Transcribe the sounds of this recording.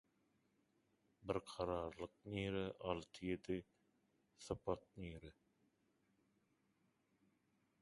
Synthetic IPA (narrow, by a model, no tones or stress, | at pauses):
bɪɾqʰɑɾɑːɾlˠɯq̚niːɾɛʔɑlˠt̪ʰɯjed̪ɪ | sɨpʰɑt̪̚niːɾɛ